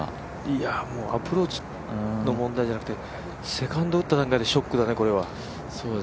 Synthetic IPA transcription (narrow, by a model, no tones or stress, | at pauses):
iamo̞ːapɯ̟ɾo̞ːt͡ɕi̥ | no̞mõ̞nd̪aiʑanakɯ̟t̪e̞ | se̞kãnd̪oɯ̟t̪ːad̪ãŋkaid̪e̞ɕo̞kːɯ̟d̪aneko̞ɾe̞β̞a | so̞ːd̪e